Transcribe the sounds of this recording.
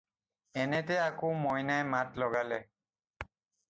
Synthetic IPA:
ɛneteakomɔjnaematlɔɡalɛ

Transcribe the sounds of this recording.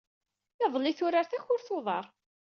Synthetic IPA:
ɑðˤlːɪθʊɾaɾθæçʊɾθoðˤɑ̰ɾˤ

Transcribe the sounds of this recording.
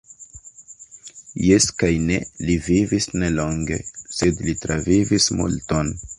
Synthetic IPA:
jeskajne̞livivisne̞lo̞ŋɡe̞̰se̞dlitɾavivismṵlto̞n

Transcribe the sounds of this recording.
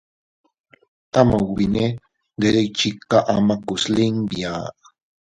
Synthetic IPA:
amawbine | d̪eɾejt͡ʃikaʔamakusliŋbia

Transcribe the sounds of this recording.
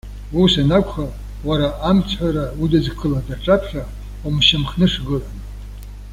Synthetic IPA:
usanakʷʰʼχa | waɾaʔːmt͡sʰħʷaɾaudɨd͡zkʰɨladarʈ͡ʂʼapʰħᶣa | umʃamχnɨʂɡɨran

